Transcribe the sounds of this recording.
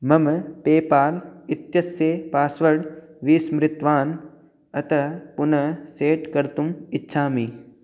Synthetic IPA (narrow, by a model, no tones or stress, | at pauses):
mɐmpeːpaːlɪt̪jɐsepaːsʋəɽʋiːsmɾɪt̪ʋaːn | ɐt̪ɐpʊnɐseːʈkɐɾt̪ʊmɪtːʃʰaːmĩː